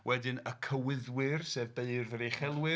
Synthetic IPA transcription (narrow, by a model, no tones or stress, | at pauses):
wʔɛdɪnəkʰəwɪðwɪrsɛːvbeɨrvəɾejχɛlˠwɪ